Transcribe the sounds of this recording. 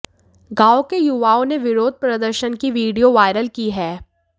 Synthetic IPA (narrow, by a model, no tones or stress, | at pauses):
ɡaːokejuʋaːõneʋɪɾoːd̪̚ʱpɾɐd̪əɾʃənkiʋiːɖijoʋaːɪɾəlkiɦɛː